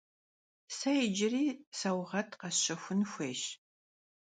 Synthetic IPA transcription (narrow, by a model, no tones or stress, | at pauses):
sɐjɪd͡ʒɪriːsɐwʁɐtʰqɐɕɐxʷʊnxʷeːʃ